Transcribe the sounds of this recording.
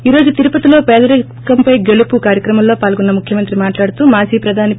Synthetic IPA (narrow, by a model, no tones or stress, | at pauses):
iːɾo̞ːd͡ʒut̪iɾupɐt̪ilo̞ːpɛːd̪ɐɾɐ | kɐmpɐjɡe̞ɭupukaːɾjɐkɾɐmɐmlo̞ːpaːlɡonːɐmukʰjɐmɐnt̪ɾimaːʈlaːɽut̪uːmaːsiːpɾɐd̪ʱaːni